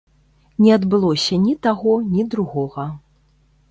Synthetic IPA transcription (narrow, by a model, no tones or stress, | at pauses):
nʲɛad̪bɨlˠɔsʲɐnʲit̪aɣɔnʲid̪ɾuɣɔɣɐ